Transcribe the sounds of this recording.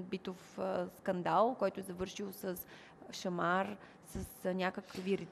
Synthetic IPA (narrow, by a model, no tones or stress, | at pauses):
bit̪ofskɐnd̪alˠkɔjt̪ʊɛzɐvɤɾʃilˠsəs | ʃɐmaɾ | səsnʲakəkviɾɛt̪